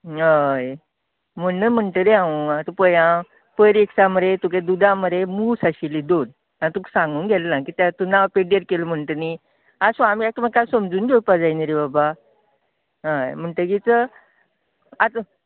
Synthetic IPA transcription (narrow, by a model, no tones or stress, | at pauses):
ɦaj | m̤əːəm̤əɳʈəɾeãʋat̪əpəjã | pəɾeksaməɾet̪uk̬ed̪ud̪aməɾemuːsaɕilid̪on | ãt̪uksãŋɡuːnɡɛlnãkit̪jat̪unawpeɽiəɾkelm̤əɳʈəni | asuamiak̚t̪əmaɡkajsəmd͡zuːnd̪opad͡zajnəɾibaba | ɦajm̤əɳʈ̪əɡit͡sə | at̪ə